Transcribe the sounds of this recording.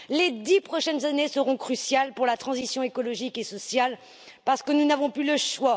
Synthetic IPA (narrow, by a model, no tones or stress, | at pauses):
led̪ipχɔʃɛnzanesəʁɔ̃kχysjalpuʁlat̪χɑ̃zisjɔ̃ekɔlɔʒikesɔsjal | paʁsə̥kənunavɔ̃plyləʃwa